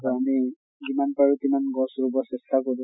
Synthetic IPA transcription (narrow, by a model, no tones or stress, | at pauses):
tɔami | zimanpaɹutimanɡɔ̃sɹubɔsɛstʰakod